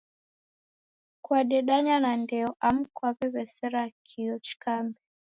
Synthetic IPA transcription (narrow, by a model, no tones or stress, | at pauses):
kwaɗɛɗaɲanandɛɔʔam̩kwaβɛβɛsɛɾakʰiɔt͡ʃi̥kambɛ